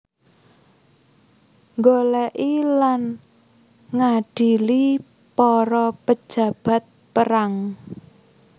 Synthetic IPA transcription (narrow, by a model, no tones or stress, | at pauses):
ŋɡolɛʔilan | ŋaɖ̥i̤li | pɔɾɔpə̥ʒ̥ä̤b̥ä̤t̪̚pəɾaŋ